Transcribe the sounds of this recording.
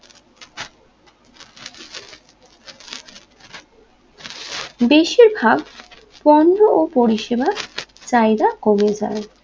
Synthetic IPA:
beʃiɾbʱab | pɔnːoopoɾiʃebat͡ɕajd̪akomed͡ʑa̰e

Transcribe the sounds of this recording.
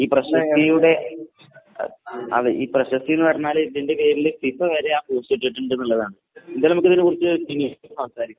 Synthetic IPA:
iːprɐɕɐsijuɽe̞̰ | ɐ̰ðɨʔiːprɐɕɐst̪ijunːɨʋɐrɐɲːaːlðinde̞keːɾilsifɐʋɐɾe̞aːpoːst͡ɕeʈːiʈːuɳɖɨenːɐlːɐðaːɳɨ | end̪aːlnɐmukːɨðinɨkurit͡ɕːɨsinijsɐmsaːɾikʲːu

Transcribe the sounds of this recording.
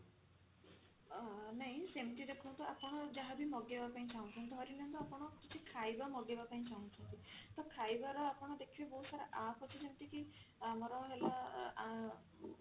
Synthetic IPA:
neɦĩsemʈid̪ekʰuw̃t̪uapɔɽ̃ɔd͡ʒaɦabimɔɡebapaĩt͡ʃʰaw̃t̪ʰɔnt̪ɔɦɔɾilɔnt̪ɔapɔɽ̃ɔkit͡ʃʰikʰajbamɔɡebapaĩt͡ʃaw̃t͡ʃʰɔnt̪it̪ɔkʰajbaɾɔapɔɽ̃ɔd̪ekʰibeboɦusaɾeʔapʰɔt͡ʃʰisemʈikimɔɾɔɦela

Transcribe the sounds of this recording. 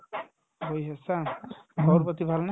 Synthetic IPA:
bojɦesaɡʱɔwɾpɔt̪ibʱalna

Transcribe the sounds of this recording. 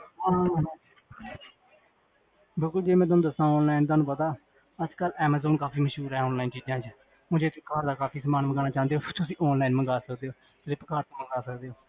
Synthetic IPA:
ɦãː | bɪlkʊld͡ʒeːmɛ̃ːt̪ʊːnũːd̪əsãːɔːnlaːint̪̬aːnũːpət̪aː | əd͡ʒkəlɛːmɛːzoːnkaːpiːməʃɦuːɾɦɛːɔːnlaːint͡ʃiːd͡ʒãːt͡ʃ | õːd͡ʒeːt̪ʰekaːɾd̪aːkaːfiːsəmaːnməŋɡaːnaːt͡ʃãːnd̪eoːt̪ʊsĩːʔɔːnlaːinməŋɡaːsəkd̪eːoː | d͡ʒɾeːpəkaːɾt̪oməŋɡaːsəkd̪eːoː

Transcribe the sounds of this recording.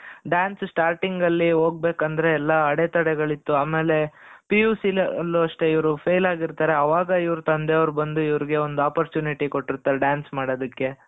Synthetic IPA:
ɖjaːnssʈaːɾʈiŋɡɐlːiɦoːɡ̚beːkɐnd̪ɐɾe̞ːlːɐɐɽet̪ɐɽɛɡɐɭit̪ːuaːme̞ːle̞pijuːsilːuɐʂʈe̞iʋɾupʰejlaːɡiɾt̪aːɾeɐʋaːɡɐiʋɐɾut̪ɐnd̪eɐʋɐɾubɐnd̪uiʋɐɾiɡe̞o̞nd̪uaːpɐɾt͡ʃjuːniʈiko̞ʈːiɾt̪ːaːɾeɖjaːnsmaːɽod̪ɐkːe̞

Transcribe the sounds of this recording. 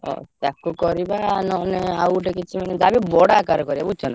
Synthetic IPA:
ɔ̰t̪akukɔɾibanɔneawʈekit͡ʃʰimened͡ʒabibɔɽakaɾɔkɔɾibabut͡ʃʰɔna

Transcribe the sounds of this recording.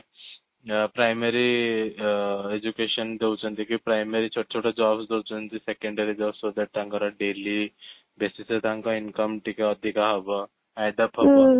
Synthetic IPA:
pɾajmeɾi | ed͡ʒukeʃənd̪ewt͡ʃə̃nt̪ikipɾajmeɾit͡ʃʰoʈːt͡ʃʰoʈad͡ʒɔːbsd̪ewt͡ʃənt̪isekẽɳɖeɾid͡ʒaːbsod̪ɛʈ̚t̪ãŋkɔɾaɖeli | besiset̪ãŋkɔinkəmʈikaəd̪ʱikaɦɔbɔ | ajd̪apɦɔbə

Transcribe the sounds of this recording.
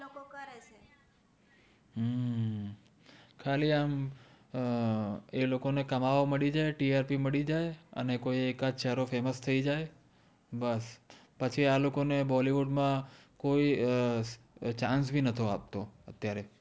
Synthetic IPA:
lokokəɾet͡ʃʰe | kʰaliam | elokonekəmaʋoməɭid͡ʒajʈiaɾpiməɽid͡ʒajə̰nekoiekad͡ʒʃəɾofeməst̪ʰəid͡ʒaj | bəspət͡ʃʰialokonebɔliʋuɖmãkoi | t͡ʃãns̬bʱinət̪ʰoap̚t̪oət̪jaɾe

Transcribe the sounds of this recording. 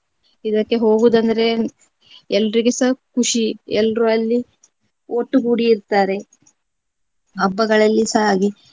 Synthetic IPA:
id̪ɐkːe̞ɦo̞ːɡuːd̪ɐnd̪ɐɾe̞ | ɛlːɾiɡesɐkuʂiɛlːɾuɐlːi | oːʈːuɡuːɽiːɾt̪aːɾe̞ | ɐbːɐɡɐɭɐlːisaaːɡi

